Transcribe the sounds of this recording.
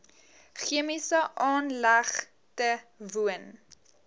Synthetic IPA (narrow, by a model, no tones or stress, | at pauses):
χiəmisəʔɑːnlɐχ | təvuən